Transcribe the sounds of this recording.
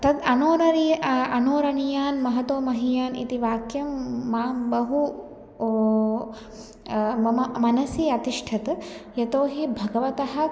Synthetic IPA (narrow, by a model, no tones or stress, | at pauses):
t̪ɐd̪ɐnoːɾɐɾijɐnoːɾɐnijaːnmɐɦɐt̪oːmɐɦijaːnḭt̪iʋaːkjɐmːaːbɐɦu | mɐnɐsjiɐt̪iʂʈʰɐt̪jɐt̪oːɦibʱɐɡɐʋɐt̪ɐɦɐ̆